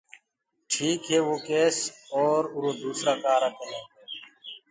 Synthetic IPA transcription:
ʈʰiːkɦeːʋoːkeːsoːɾʊɾoːd̪uːsɾaːkaːɾakənẽː

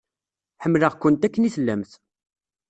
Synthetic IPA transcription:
ħəmːləʁkːʊnt̪ækːəniθəlːæmθ

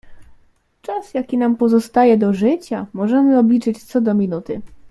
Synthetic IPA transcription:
t͡ʂasjakʲinampɔzɔst̪ajɛd̪ɔʐɘt͡ɕamɔʐɛmɘɔblʲit͡ʂɘt͡ɕt̪sɔd̪ɔmʲinut̪ɘ

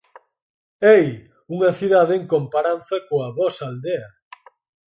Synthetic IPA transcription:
ej | uŋɐθiðaðeeŋkompaɾanθakoaβɔsald̪ea

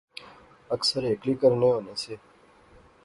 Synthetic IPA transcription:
əksəɾeːklikəɾnẽːoneːseː

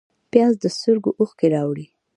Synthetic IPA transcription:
pjɑzd̪əst̪əɾɡoʔuxkeɾɑwɽi

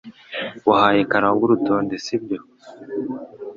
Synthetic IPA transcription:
wahajekaɾaɡuɾutoːndesibɟo

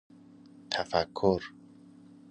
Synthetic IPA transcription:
t̪ʰafakʰːʊɾ

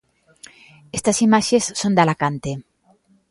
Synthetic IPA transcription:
est̪asimaʃesːond̪alakant̪e

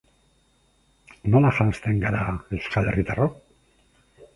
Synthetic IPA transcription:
nolaʃanst̪e̞ŋɡaɾaewskalerit̪arok

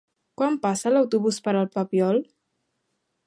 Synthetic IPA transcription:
kwampasəlawt̪uβuspəɾəlˠpapiɔl

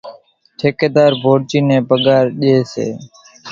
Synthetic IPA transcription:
ʈʰeːkeːd̪aːɾbʱoːɽd͡ʒiːnɛ̃ːbəɡaːɾɗeːsḛː

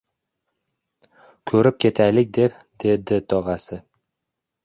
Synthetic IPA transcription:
kʰɵɾɪp̚kʲʰe̞t̪ʰajlɪkʲd̪e̞p | d̪̥e̞d̪ɪt̪ʰɒʁɑsɪ

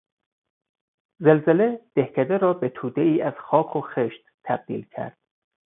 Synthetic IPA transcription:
zelzele̞d̪̥ehcʰæd̪eɾɒːbet̪ʰuːd̪eiːæz̥xɒːkʰoxeʃt̪t̪ʰːæb̥̚d̪ḭːlcʰæ̰ɾd̪̥

